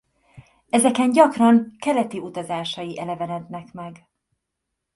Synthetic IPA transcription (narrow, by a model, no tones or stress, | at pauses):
ɛzɛkɛnɟɒkrɒŋkɛɾɛt̪iut̪ɒzaːʃɒjiʔɛlɛvɛnɛd̪nɛkmɛɡ